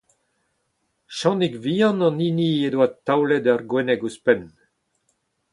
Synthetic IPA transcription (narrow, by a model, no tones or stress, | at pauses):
ʃɑ̃nikvijɑ̃nɑ̃ninied̪wat̪ːawlɛd̪arɡwɛnɛɡuspɛn